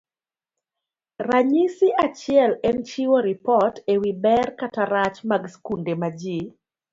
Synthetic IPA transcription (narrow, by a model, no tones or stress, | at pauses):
raɲisiʔat͡ʃɪɛlɛnt͡ʃiwoɾipɔtewibɛrkataɾat͡ʃmaɡskundemad͡ʒi